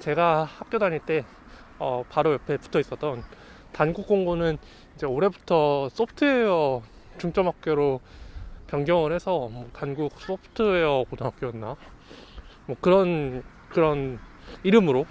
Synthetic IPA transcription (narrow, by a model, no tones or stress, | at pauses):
t͡ɕe̞ɡahap̚k͈jodaɲiɭt͈e̞ | ʌpaɾojʌpʰe̞pu̥tʰʌis͈ʌt͈ʌn | tanɡuk̚k͈oŋɡonɯn | id͡ʑe̞oɾe̞butʰʌs͈opʰtʰɯe̞jʌ | t͡ɕuŋt͡ɕ͈ʌmɦak̚k͈joɾo | pjʌŋɡjʌŋɯɾɦe̞sʰʌmwʌtanɡuk̚s͈opʰtʰɯejʌpodʌnɦap̚k͈joonːa | mwʌkɯɾʌn | kɯɾʌniɾɯmɯɾo